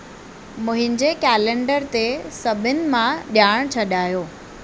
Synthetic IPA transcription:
mʊ̃ɦɪ̃ɲd͡ʑekɛːlẽɳɖəɾt̪esɐbʱɪnɪ̆mãɗjaːɽ̃t͡ɕʰɐɗaːjoː

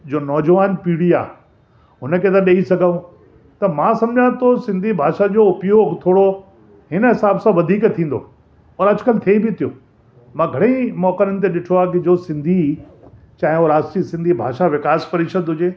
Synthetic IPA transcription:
d͡ʑoːnɔːd͡ʑʋaːnpiːɽia̰ː | ɦʊnə̆kʰet̪ɐɗeisɐɡʱaũ | t̪ɐmãsɐ̃md͡ʑʱãt̪osɪ̃nd̪ʱibʱaːʃad͡ʑoːʊpjoːɡʱt̪ʰoːɽo | ɦɪnəɦɪsaːbsãʋɐd̪ʱiːkt̪ʰĩːn̆d̪o̰ | ɔːɾɐd͡ʑʊkɐlt̪ʰebɪt̪ʰijo̰ː | mãɡʱɐɽ̃ẽmɔːkəɾənɪ̆t̪eɗɪʈʰoaːkɪd͡ʑoːsɪ̃nd̪ʱi | t͡ɕãːɦɪ̃oɾaːsʈisɪ̃nd̪ʱibʱaːʃaʋɪkaːspɐɾɪːʃəd̪ɦʊd͡ʑeː

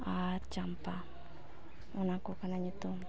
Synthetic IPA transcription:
att͡ʃampa | unakukanaɲit̪u

